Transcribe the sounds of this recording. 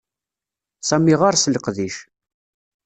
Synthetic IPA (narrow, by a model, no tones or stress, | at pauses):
sæmiʁaɾsələqðiʃ